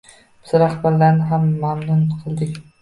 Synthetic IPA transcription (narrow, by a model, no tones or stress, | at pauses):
b̥ɪz̥ɾahbaɾlanɪɦamːamnʊnqʰɨlˠd̪ɪkʲ